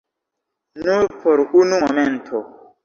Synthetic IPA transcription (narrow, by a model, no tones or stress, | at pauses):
nuɾpʰɔɾunuŋɔmɛn̩tʰɔ